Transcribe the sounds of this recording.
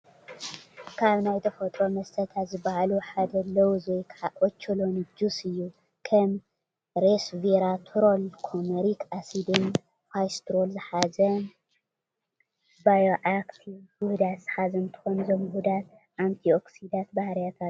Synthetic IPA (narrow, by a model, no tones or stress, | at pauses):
kʰaβnajt̪ʰɐfɐt̪ʼɾo̞mɐst̪ʰɐt̪ʰat̪zɨbahaluħad̪ɐlːɐwuzojkʰʕaʔot͡ʃʰːolo̞nd͡ʒusɨjːu | kʰɐm | ɾesveɾat̪ʰɾolkʰomeɾikʰasid̪en | fajst̪ʰɾolzɨħazɐ | bajoʔakt̪ʰiwuhd̪at̪z̥ħazɐnt̪ʰɨ̥xonuzɐmhud̪at̪ | ʔant̪ʰioksid̪at̪̚bahɾjat̪ʰat̪̚